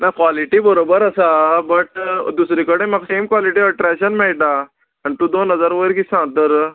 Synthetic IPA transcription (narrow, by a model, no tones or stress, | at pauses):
nakʋaliʈibəɾobəɾəsabəʈd̪usɾikəɽeməɡsemkʋaliʈiəʈɾɛɕənmɛɭʈ̪aː | ñit̪ũːd̪onɦəd͡zaɾʋəɾkisãŋɡt̪əɾ